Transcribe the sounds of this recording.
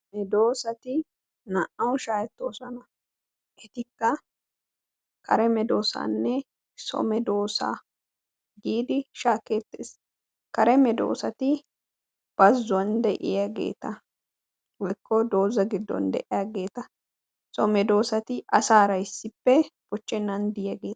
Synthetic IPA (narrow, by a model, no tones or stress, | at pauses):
mɛd̪o̞ːsɐt̪ɪ | nɐʔɐwʃaːɛt̪ːoːsɔnɐ | ʔɛt̪ɪkːɐ | kʰɐɾɛmɛd̪o̞ːsa̰ːnːɛ | sɔ̰mɛd̪o̞ːsa̰ː | ɡiːd̪ɪʃaːke̞ːt̪ːḛːs | kɐɾɛmɛd̪o̞̰ːsɐt̪ɪ | b̥ɐzːʊɐnd̪ɛʔɪjaɡe̞̰ːt̪ɐ | wɔjkːɔd̪o̞ːzɐɡɪd̪ːɔ̰nd̪ɛ̰ʔɪjaɡe̞ːt̪ɐ | sɔmɛd̪o̞ːsɐt̪ɪʔɐsaːɾɐɪsːɪpːɛb̥ɔt͡ʃːɛnːɐnd̪ɪjaɡeːt̪ɐ